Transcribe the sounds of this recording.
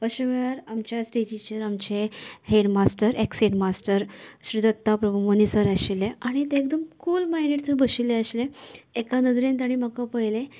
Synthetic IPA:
ʋəɕəʋaɾamt͡ɕjasʈed͡ʑit͡ɕəɾamt͡ɕeɦeɖmasʈəɾekseʈmasʈəɾɕɾid̪ət̪ːapɾəbumonisəɾaɕileaɽ̃it̪eːk̚d̪əmkuːlmajneʈt͡səbəɕileəɕleekanəd͡zɾẽnt̪aɽ̃imakapəjle

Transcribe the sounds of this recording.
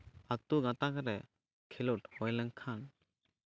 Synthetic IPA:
at̪uɡãt̪akaɾɛ | kʰɛlɔʈhɔjlɛŋkʰan

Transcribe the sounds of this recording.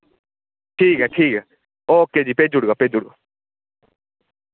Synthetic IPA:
ʈʰiːkɦɛːʈʰiːkɛ | oːkːeːd͡ʒiːpeːd͡ʒʊɽɡaːpeːd͡ʒʊɽɡa

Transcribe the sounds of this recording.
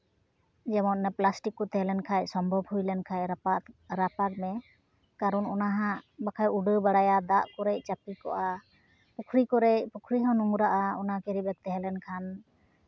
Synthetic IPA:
d͡ʒɛmɔt̪nɛplasʈikːɔt̪ɛɦɛlɛnkʰajsɔmbʱɔbhujlɛnkʰajapaɾapak̚mɛ | kaɾɔnɔnaɦãʔbakʰajuɖəbaɽajad̪aʔkɔɾɛc̚t͡ʃapikɔ̰ʔa | pukʰɾikɔɾɛcpukʰɾiɦɔ̃nuŋɾaʔaɔnakɛɾibɛk̚t̪ɛɦɛlɛnkʰan

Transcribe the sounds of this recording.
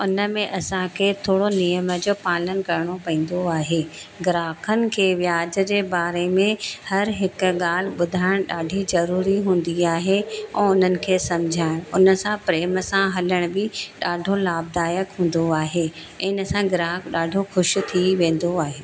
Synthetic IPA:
ʊnə̆mẽʔɐsãkʰeːt̪ʰoːɽonijəməd͡ʑoːpaːlənkɐɾɪɽ̃opɐ̃ĩːn̆d̪oaːɦeːɡɪɾaːkʰənɪ̆kʰeːʋjaːd͡ʑə̆d͡ʑeːbaːɾemẽhɐɾɦɪk̆ɠaːl̤ɪɓʊd̪ʱaːɪɽ̃ɗaːɖʱizɐɾuːɾiɦũːnd̪iaːɦeɛ̃ːʊn̤ənɪ̆kʰeːsɐmd͡ʑʱaːɪɽ̃ʊnəsãpɾeːmsãɦɐləɽ̃bɪɗaːɖʱolaːb̚d̪aːjəkɦũːn̆d̪oaːɦe | ɛ̃ːɪnəsãɡɪɾaːkʰɗaːɖʱoxʊʃ̆t̪ʰiʋẽːn̆d̪oaːɦeː

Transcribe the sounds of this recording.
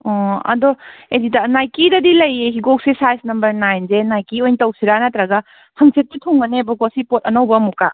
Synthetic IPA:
ɔɐ̰dɔezitɐnajkidɐdilɐjeɦiɡok̚sesajsnɐmbɐɾnajnzenajkiojntɐwsiɾanatɾaɡɐ | hɐŋset̚sitʰoŋɡɐnebɔɡosipot̚ɐnɐwbɐmuka

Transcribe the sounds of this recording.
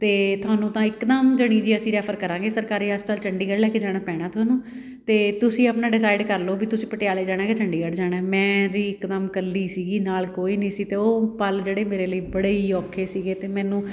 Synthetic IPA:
t̪eːt̪ʰʊaːnũːt̪ãːɪkd̪əmd͡ʒəɽ̃ĩːd͡ʒiːəsĩːɾɛːpʰəɾkəɾãːŋɡeːsəɾkaːɾiːəspt̪əːlt͡ʃəɳɖiːɡəɽlɛːkeːd͡ʒaːɽ̃aːpɛːɽ̃aːt̪ʊɦaːnũː | t̪eːt̪ʊsĩːəpnaːɖɪs̬aːɪɖkəɾloːbiːt̪ʊsĩːpəʈɪjaːleːd͡ʒaːɽ̃ãːket͡ʃəɳɖiːɡəɖd͡ʒaːɽ̃aːmɛ̃ːd͡ʒiːɪkd̪əmkəlːiːsiːɡiːnaːlkoːiːnəĩːsiːt̪eːoːpəld͡ʒeːɽeːmeːɾeːləiːbəɽeːiːɔːkʰːeːsiːɡeːt̪eːmɛ̃ːnũː

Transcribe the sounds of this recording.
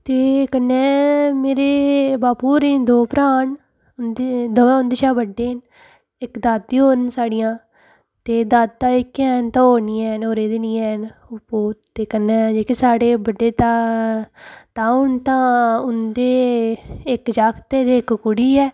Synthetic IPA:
t̪eːkənːɛːmeːɾeːbaːpuːɾeːnd̪oːpɾaːɳ | d̪ed̪oːʊnd̪eːʃaːbəɖːeːn | ɪkd̪aːd̪̚ːiːɦoːɾənsaːɽijãː | t̪eːd̪aːd̪̚t̪ãːɪkɛːnt̪ãːɦoːɾniːɛːnoːɾeːd̪ɪniːɛːnʊpoːt̪eːkənːɛːd͡ʒeːkesaːɽeːbəɖeːt̪aː | t̪ãːʊɳt̪ãːʊnd̪eː | ɪkd͡ʒaːkt̪eːd̪eːɪkkʊɽiːɛː

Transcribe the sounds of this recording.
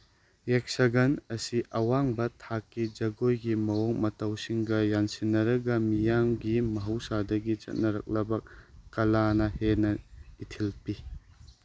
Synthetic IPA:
ek̚sɐɡɐnɐsiʔɐwaŋbɐtʰakːid͡ʒɐɡojɡimɐwoŋmɐtɐwsiŋɡɐjansinːɐɾɐɡɐmijamɡimɐɦɐwsadɐɡit͡ʃɐ̰t̚nɐɾɐk̚lɐbɐk̚ːɐlanɐhenɐitʰilpi

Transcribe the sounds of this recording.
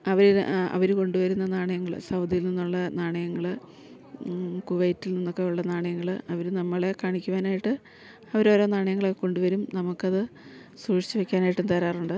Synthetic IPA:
ɐʋɐɾiɐ̰ʋɐɾuko̞ɳɖuʋɐɾunːɐnaːɳɐjɐŋːɐɭɨ̰sɐwd̪ʱijilninːuɭːɐnaːɳɐjɐŋːɐɭ | kuʋɐjitːilninːokːeuɭːɐnaːɳɐjɐŋːɐɭɐʋɐɾunɐmːɐɭekaːɳikʲːuʋaːnaːjiʈːɨ | ɐʋɐɾo̞ːɾo̞ːnaːɳɐjɐŋːɐɭokːeko̞ɳɖuʋɐɾumnɐmukːɐðɨ | suːʂi̥t͡ɕːɨʋekʲːaːnaːjiʈːunt̪ɐɾaːruɳɖɨ

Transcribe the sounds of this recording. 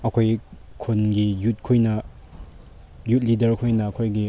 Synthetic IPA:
ɐkʰojkʰunɡijut̚kʰojnɐ | jut̚lidɐɾkʰojnɐːkʰojɡi

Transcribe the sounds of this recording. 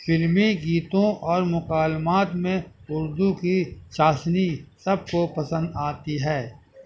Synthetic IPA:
fɪlmiɡiːt̪õʔɔːɾmʊkaːlmaːt̪mẽʊɾd̪ukiʃaːsnisɐb̚kopɐsə̃nd̪aːt̪iɦɛː

